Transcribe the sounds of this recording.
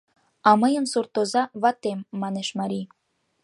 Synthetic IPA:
ɑməjəmsurt̪ozɑβɑt̪emːɑneʃmɑɾʲi

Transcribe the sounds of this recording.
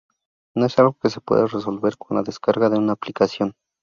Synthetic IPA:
no̞e̞salɣo̞kese̞pwḛðereso̞lβe̞ɾko̞nla̰ðeskaɾɣaðe̞unaːplikasjo̞n

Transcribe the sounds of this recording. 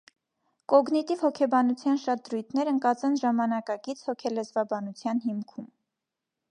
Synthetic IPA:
kɔɡnit̪ivhɔkʰɛbɑnut͡sʰjɑnʃɑt̪̚d̪ɾujt̪ʰnɛɾəŋkɑt͡sɛnʒɑmɑnɑkɑɡit͡sʰhɔkʰɛlɛzvɑbɑnut͡sʰjɑnɦimkʰum

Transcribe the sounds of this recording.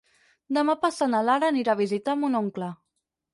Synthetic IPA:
d̪əmapasanalaɾəːniɾaβ̞izit̪amunoŋklə

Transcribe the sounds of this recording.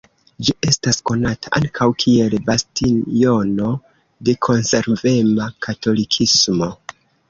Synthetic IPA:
d͡ʒiʔe̞stasko̞natʰaʔaŋkʰawkʰie̞lbastinjo̞no̞ | de̞kʰo̞nse̞ɾve̞makʰato̞likʰismo̞

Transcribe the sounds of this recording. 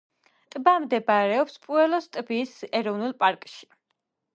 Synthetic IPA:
t̪ʼbamd̪ɛbaɾɛɔpspʼuɛlˠɔst̪ʼbiːsɛɾɔvnulˠpʼaɾkʼʃi̥

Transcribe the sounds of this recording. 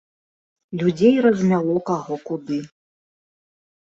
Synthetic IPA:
lʲud͡zʲejrɐzʲmʲalˠɔkaɣɔkud̪ɨ

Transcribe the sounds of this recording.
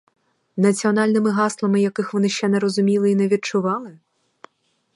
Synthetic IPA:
nɐtt͡sʲijɔnalʲnɨmɨɦaslˠɐmɨjakɨxʋɔnɨʃt͡ʃɛnɛɾɔzʊmʲilˠɨinɛʋʲit̚t͡ʂʊʋɑlˠɨ

